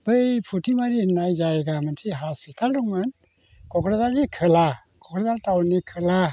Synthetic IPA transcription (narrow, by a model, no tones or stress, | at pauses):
bəjpʰutimaɾihnajd͡ʒajɡaməntʰiɦaspʰitʰaldɔŋman | kɔkɾad̪aɾnikʰɯla | kɔkɾɔd̪aɾtawnikʰɯla